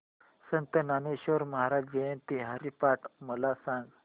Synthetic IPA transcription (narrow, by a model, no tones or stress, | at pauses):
sənt̪ənaneɕoɾməɦaɾad͡ʑd͡ʑejent̪iɦaɾipaʈməlasãŋɡ